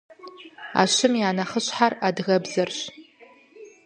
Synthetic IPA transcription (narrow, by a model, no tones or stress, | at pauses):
a̰ʃɪmjaːnɐχəɕħaradɣɐbzɐrɕ